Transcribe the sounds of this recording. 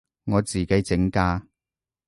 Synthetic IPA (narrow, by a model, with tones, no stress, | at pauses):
ŋɔː˨˧t͡siː˨˩ke˨˥jt͡sɪ˨˥ŋkaː˧˥